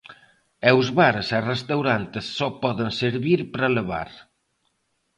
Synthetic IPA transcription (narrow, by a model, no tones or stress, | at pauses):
ɛwzβaɾesarest̪awɾant̪esːɔpɔðenseɾβiɾpɾaləβa̰ɾ